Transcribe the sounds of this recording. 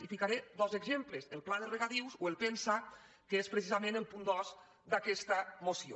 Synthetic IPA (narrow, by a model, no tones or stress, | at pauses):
ifikaɾed̪ɔzeɡzempləzelˠplaðəreɣat̪iwzoelˠpensa | kəespɾesizamẽnelˠpund̪ɔz | d̪akɛst̪amosio̰